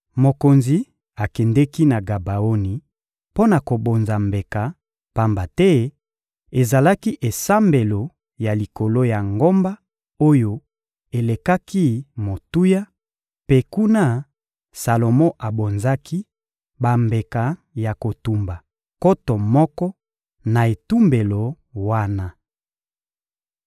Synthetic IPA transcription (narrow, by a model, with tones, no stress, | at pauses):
mo˨ko˨nzi˨˦ | a˨kɛ˨ndɛ˦ki˦na˨ɡa˨ba˨o˦ni˨ | po˦na˨ko˨bo˨nza˨mbe˨ka˨ | pa˦mba˨tɛ˦ | e˨za˨la˦ki˦ʔe˨sa˦mbe˨lo˨ | ja˨li˨ko˨lo˦ja˨ŋɡo˦mba˦ | o˦jo˦ | e˨le˨ka˦ki˦mo˨tu˦ja˦ | pe˦ku˦na˦ | sa˨lo˨mɔ˦ʔa˨bo˨nza˦ki˦ | ba˨mbe˨ka˨ | ja˨ko˨tu˨mba˨ | ko˦to˨mɔ˦kɔ˦ | na˨e˨tu˦mbe˨lo˨ | wa˦na˦